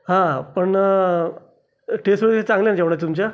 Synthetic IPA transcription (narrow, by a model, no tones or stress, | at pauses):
ɦãpəɳ | ʈʰesʋəɭkt͡sãŋɡlanad͡ʑeʋɽ̃ɳat̪umt͡ɕja